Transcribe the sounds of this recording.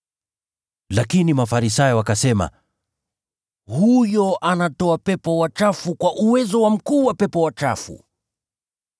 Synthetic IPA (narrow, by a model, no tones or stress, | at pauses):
lakinimafaɾisajɔwakasɛma̰ | hujɔʔanatɔapɛpɔwat͡ʃafukwaʔuwɛzɔwam̩kuːwapɛpɔwat͡ʃa̰fṵ